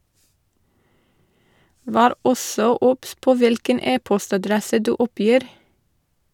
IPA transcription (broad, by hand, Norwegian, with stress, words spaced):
ˈʋæːɾ ˈɔsɔ ˈʊps ˈpoː ˈʋɪlkən ˈeːpɔstɑˌdɾɛsə ˈdʉː ˈʊˌpjiːɾ